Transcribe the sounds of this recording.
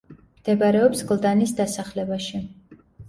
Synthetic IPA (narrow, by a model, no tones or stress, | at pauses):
md̪̥ɛbaɾɛɔpsɡlˠd̪anisd̪asaχlɛbaʃi